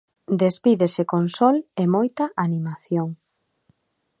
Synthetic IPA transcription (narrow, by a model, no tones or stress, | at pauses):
d̪espiðesekonsɔlemojt̪ɐʔanimaθjoŋ